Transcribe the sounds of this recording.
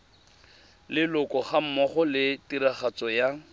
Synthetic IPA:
lɪlʊkɔχam̩mɔχɔlɪtiɾaχat͡sɔja

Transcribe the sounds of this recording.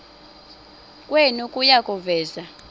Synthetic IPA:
kʼwenukʼujakʼuvɛːza

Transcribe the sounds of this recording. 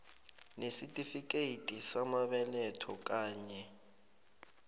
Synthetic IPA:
nesitʼifik̬ʼeitʼisamaɓɛlɛtʰɔk̬ʼaːɲɛ

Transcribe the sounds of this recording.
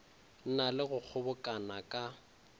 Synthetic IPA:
n̩nalɪɣʊk͡xʰʊbʊkʼanakʼa

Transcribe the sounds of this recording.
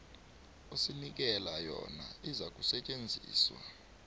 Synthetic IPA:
osinik̬ɛlajɔnaizak̬ʼusɛt͡ʃʼend͡zʱiːswa

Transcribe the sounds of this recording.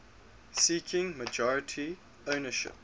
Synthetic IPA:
siːkʰɪ̃ŋməd͡ʒɔɹɪtʰi | oʊnəʃɪ̰p̚

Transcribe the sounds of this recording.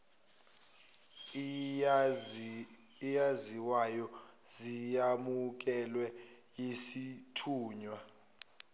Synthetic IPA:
ijaziwajɔzijamuk̬ʼɛlwɛ | jisitʰuːɲwa

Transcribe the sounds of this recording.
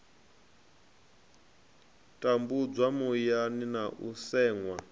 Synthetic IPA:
tʼambud͡zamujaninaʔusɛːŋwa

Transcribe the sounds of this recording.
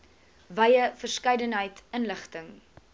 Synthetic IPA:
vɐjəfərskɐjdənɦəjtənləχtəŋ

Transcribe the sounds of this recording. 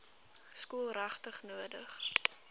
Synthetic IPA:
skuəlˠrɐχtəχnuədəχ

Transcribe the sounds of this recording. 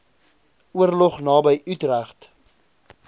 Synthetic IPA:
uərlɔχnɑːbəjʔytræχt

